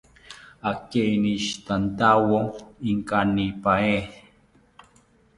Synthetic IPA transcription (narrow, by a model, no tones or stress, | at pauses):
akeniʃt̪ant̪awoiŋkanipae